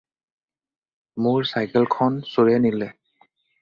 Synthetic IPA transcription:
mʊɹsajkɛlkʰɔnsoɹɛnilɛ

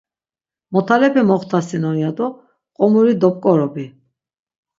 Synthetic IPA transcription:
mɔt̪ʰalɛpʰɛmɔχt̪ʰasinɔjad̪ɔ | qʼɔmuɾid̪ɔp̚ʼkʼɔɾɔbi

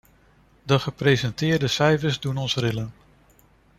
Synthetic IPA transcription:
dəχəprejzɛntɪːɹdəsɛjvəɹzdunɔnsrɪlən

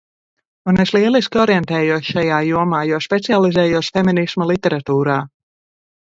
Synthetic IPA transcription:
uneslˠiɛlˠiskʲiɔɾjɛnt̪ɛːjuɔsʃajaːjuɔmaːjɔspʲet̪sialˠizɛːjusʲfeminismalˠit̪ɛɾat̪uːɾaː

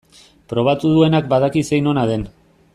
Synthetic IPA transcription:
pɾo̞β̞at̪uðue̞nakbaðakise̞jno̞naðe̞n

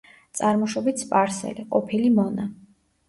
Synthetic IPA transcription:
t̪sʼaɾmɔʃɔbit̪spʼaɾsɛ̰liqʼɔpʰilimɔna

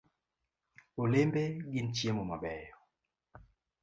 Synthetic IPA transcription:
olembeɡin̩t͡ʃjemɔmaɓɛjɔ

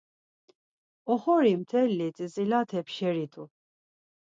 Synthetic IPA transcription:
ɔχɔɾimt̪ʰɛlːit̪ʼizilat̪ʰɛpʃɛɾit̪ʰʼu

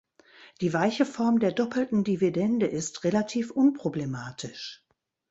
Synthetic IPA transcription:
d̥iːvaɪçəfɔɐmdeːɐdɔpl̩tn̩dividɛndəʔɪstʁelatʰiːfʔʊnpʁ̥oblemaːtʰɪʃ

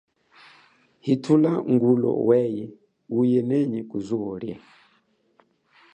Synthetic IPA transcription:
hitʰulaŋɡulɔ̰wɛjɛ | ujɛnɛɲɛkuzuɔɾjɛ̰

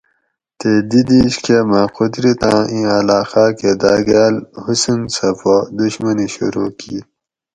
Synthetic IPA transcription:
t̪ed̪id̪iɕkemaːqʰʊd̪ɾit̪ãːĩɐlaːxaːked̪aːɡaːlhusunsɐpod̪uɕmɐniɕṵɾuːkiː

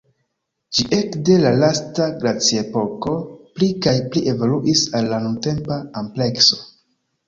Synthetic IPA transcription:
d͡ʒiʔe̞kde̞lalastaɡɾat͡siepo̞ko̞plikajpliʔe̞voluʔisalːanunte̞mpaample̞kso̞̥

